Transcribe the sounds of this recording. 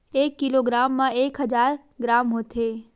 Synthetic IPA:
eːkːiloːɡɾaːmːãeːkɦɐd͡ʒaːɾ | ɡɾaːmɦoːt̪ʰeː

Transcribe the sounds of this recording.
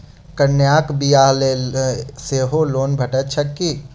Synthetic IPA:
kənjaːkbijaleseɦoloːnbʱəʈət͡ʃʰəkːi

